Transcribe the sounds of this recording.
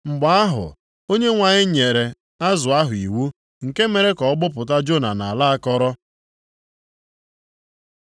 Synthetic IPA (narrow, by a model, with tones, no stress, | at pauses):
ŋ͡m̩˨ɡ͡ba˨˦a˦ɦʊ̰˨ | o˦ɲe˦ŋʷa˨ɲɪ˦ɲe˨ɾe˨ | a˦zʊ˨a˦ɦʊ˨i˨wu˦ | ŋ̩˨ke˦me˨ɾe˦kɔ˨ɔ˦ɡ͡bʊ˦pʊ˨t̬a˦d͡ʒo˦˨na̰˨na˨a˨la˦a˦kɔ˦ɾɔ˦